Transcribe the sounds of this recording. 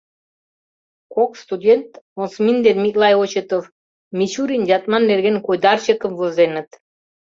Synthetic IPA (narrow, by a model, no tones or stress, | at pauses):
kokst̪ud̪ʲent̪osmind̪ed̪mʲikʼlˠɑjot͡ɕet̪of | mit͡ɕuɾʲind͡ʑɑt̪mɑnːeɾɡenkojd̪ɑrt͡ɕekəmvozenə̆t̪